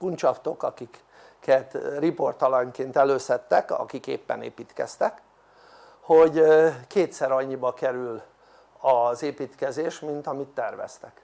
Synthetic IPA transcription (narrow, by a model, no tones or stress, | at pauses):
kunt͡ʃɒft̪o̞kɒkik | kːɛt̪ripo̞rt̪ɒlɒŋkeːnt̪ɛløːsɛt̪ːɛkɒ̰kikḛːpːɛ̰nḛːpiːt̪kɛ̰st̪ɛk | ho̞ɟkeːt̪sɛɾɒɲːibɒkɛɾyl | ɒzeːpiːt̪kɛzeːʃmint̪ɒmit̪ːɛrvɛ̰st̪ɛk